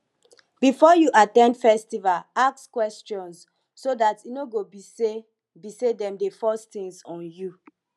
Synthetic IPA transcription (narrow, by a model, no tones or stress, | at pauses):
b̥ifɔjuʔatɛ̃ndfɛstivalakskwɛst͡ʃɔ̃nsː | odatinoɡobise | bisedɛ̃mdefɔstĩŋsɔ̃nju